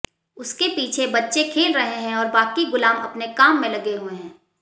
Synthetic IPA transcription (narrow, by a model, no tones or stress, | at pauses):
ʊskepiːt͡ʃʰebɐtːʃekʰeːlɾɐɦeɦɛ̃ɔːɾbaːkiɡʊlaːmɐpnekaːmːẽlɐɡeɦuẽɦɛ̃ː